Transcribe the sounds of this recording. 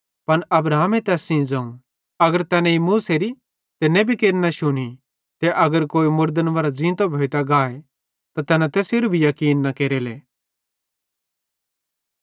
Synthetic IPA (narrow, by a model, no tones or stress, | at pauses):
pɐnɐbɾaːmet̪ɛːsːĩd͡zɐ̃ːũ | ɐɡəɾt̪ɛːnɛ̃imuːseɾi | t̪ɪnːẽbʱikeːɾinɐʃʊɽ̃i | t̪ɛʔɐɡəɾkoːimʊɾd̪ənʋɐɾad͡ʒĩːt̪obʱoːit̪aɡaːe | t̪at̪ɛːnãt̪ɛːseɾubʱijɐkiːnːɐkeːɾeːleː